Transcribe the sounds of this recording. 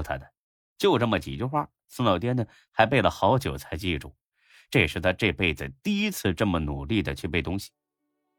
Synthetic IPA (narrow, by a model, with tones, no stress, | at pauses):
t̪ʰa̰˧d̪ə˨ | t͡ɕjo˥˧ʊʈ͡ʂə˥˩mə˩t͡ɕi˨˩t͡ɕy˥xwa˥˩ | sɹ̩˥lɑ˨˩ʊt̪jɛ˥nd̪ə˨ | xa˧˥ɪp̬e˥˩ɪlə˩xɑ˧˥ʊt͡ɕjo˨˩ʊt͡sʰa˧˥ɪt͡ɕi˥˩˧ʈ͡ʂu˥˩ | ʈ͡ʂɤ˥˧˩ʂɻ̩˥˩t̪ʰa˥ʈ͡ʂɤ˥˧pe˥˩ɪd͡zɹ̩˨˩t̪i˥˩i˥t͡sʰɹ̩˥˧ʈ͡ʂə˥˩mə˩nu˨˩li˥˩d̪ə˩t͡ɕʰy˥˧pe˥˩ɪt̪ʊ˥ŋɕi̥˨˩